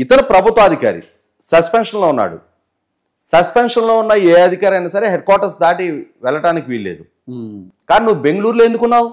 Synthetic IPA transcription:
it̪ɐnupɾɐbʱut̪ʋɐɐd̪ʱika̰ːɾḭ | sɐspenʂɐnloːunːa̰ːɽṵ | sɐspenʂɐnlo̞ːunːaːjieːɐd̪ʱikaːɾɐjnaːsɐɾeɦeɖ̚kwaːɾʈɐɾsd̪aːʈiʋɛɭɐʈaːnikiʋilːe̞̰ːd̪u | kaːninuʋube̞ŋɡɐɭuːɾlue̞nd̪ukunːaːwu

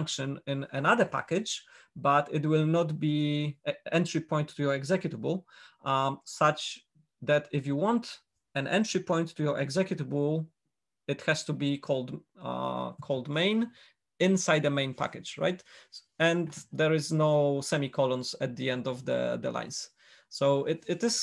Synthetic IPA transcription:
ŋkʃɨ̃nɪ̃nɛnaðə˞pa̰kɪd͡ʒ | bat̪ɪtwɪlnɔt̪bi | ɛ̃ntɹ̥ipʰɔ̃j̃ntʰːujɔɹɛɡzɛkjut̪əbl | sat͡ʃ | ðæt̪ɪfjuwɔ̃nt̪ | ɛ̃nʔɛ̰̃ntɹipɔ̃j̃ntʰːujɔɹʔɛ̰ɡzɛkjut̪əbl | ɨt̪hɛst̪ubikʰɔld̪̰ | kʰɔld̪mẽɪ̃n | ɪ̃nsajd̪əmẽɪ̃npʰa̰kɨd͡ʒɹa̰jt̪ | ɛ̃nd̪ɛɹɪznoʊsɛmikʰɔlɔ̃nsɛt̪̚d̪iɛ̃nd̪ɔvd̪ə̰d̪ə̰lʔã̰j̃ns | soʊʔɪtɪtɪz̥

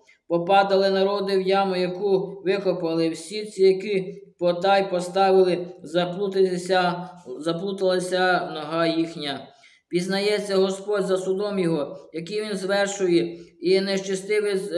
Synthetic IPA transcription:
pɔpɑd̪ɐlˠɪnɐɾɔd̪ɪwjɑmʊjɐkuʋɪkɔpɐlˠɪwsʲit͡sʲijɐkipɔt̪ɑjpɔst̪ɑʋɪlˠɪ | zɐplˠut̪ɐlˠɐsʲɐnɔɦɑjixnʲɐ | pʲiznɐjɛt͡sʲːɐɦɔspɔdʲzɐsʊd̪ɔmjɔɦɔjɐkijʋʲinzʋɛrʃʊjɛineʃt͡ʃɐst̪ɪʋɪ

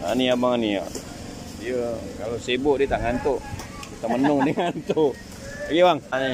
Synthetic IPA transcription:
a̰niabaŋania̰ | ijəkalasebʊʔdiət̪aʔŋant̪o | kit̪aʔmənʊŋdəŋant̪u | jəwaŋa

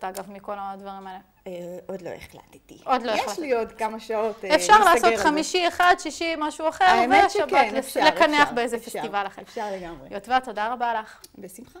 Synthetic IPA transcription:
at̪aɡavmiko̞lad̪vɐʁimaele | od̪lo̰eχla̰t̪i̥t̪iʔo̞d̪lo̞elaʃlijot̪kamaʃaotefʃaʁlaːso̞t̪χamiʃieχadʃiʃimaʃuaχeʁveaʃabalelekaneaχbeezefest̪ivalaχemʃaʁleɡamʁejotvatod̪aʁabalaχbesimχa

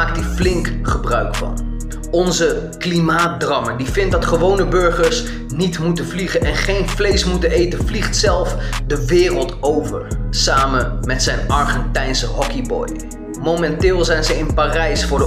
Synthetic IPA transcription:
aːk̚tiflɪŋkχəbrœɥkfɑ̰n | ɔnzəklimaːt̚drɑmədivɪnt̚dɑtχəʋownəbɵɹχəɹs | nitmutənvliχənʔɛnχejnvlejsmutənejtənvliχtsɛlˠfdəʋɪːrəlˠtowvə̰ɹsaːmənmɛtsɛjnɑɹχɛntɛjnsəɦɔkibɔ̰j | mowmɛntɪːlˠzɛjnzəɪnpaːrɛjsfʊːɹd

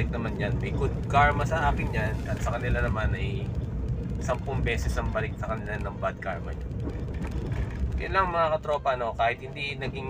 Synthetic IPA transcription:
ɪk̚nɐmanjanmɐjɡʊd̪̚kaɹmɐsɐʔaːkɪnjanʔɐt̪̚sɐkɐnɪlanɐmanɐj | sɐmpʊŋbɛːsɛsɐŋbɐlɪk̚sɐkɐnɪlanɐŋbad̪̚kaɹmɐ̰ɲa | kɐ̰laŋmɐŋakɐt̪ɾoːpɐʔɐno̞kaːhɪt̪̚hɪnd̪inɐɡɪŋ

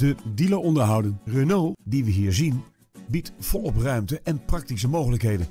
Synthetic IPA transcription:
dədiləɔndəɹɦʌwdənrənowdiʋəɦiːɹzin | bitfɔlˠɔprœɥmtəʔɛnprɑk̚tisəmowχələkɦejdən

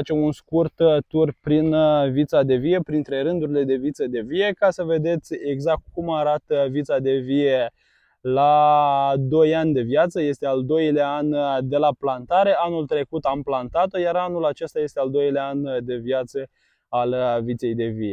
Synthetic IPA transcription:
at͡ʃe̞munskurt̪t̪urpɾinvit̪sad̪e̞vie̞pɾint̪ɾe̞ɾɨnd̪uɾile̞d̪e̞vit̪səd̪e̞vie̞kasəve̞d̪e̞t̪sʲe̞ɡzak̚t̪̚kumaɾat̪əvit̪sad̪e̞vie̞ | la | d̪o̞janʲd̪e̞vjat̪səje̞st̪e̞ald̪o̞jleaand̪e̞laplant̪aɾe̞anult̪ɾe̞kut̪amplant̪at̪o̞jaɾanulat͡ʃe̞st̪aje̞st̪e̞ald̪o̞jlʲeaand̪e̞vjat̪sə | alvit̪se̞jd̪e̞vie

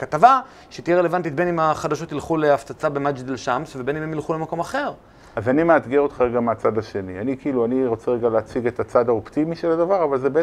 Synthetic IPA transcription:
kat̪ava | ʃet̪ijɛele̞vant̪it̪benimaχad̪aʃo̞t̪ilχuleaft͡sat͡sabemad͡ʒd̪elʃamsvebe̞nimemjilχule̞mako̞maχe̞ʁ | azanimeat̪ɡeʁot̪χaʁeɡameat͡sad̪aʃe̞nianikiiluaniʁo̞t͡seʁeɡaleat͡siɡet̪at͡sad̪aopt̪imiʃelad̪avaʁavalzebee

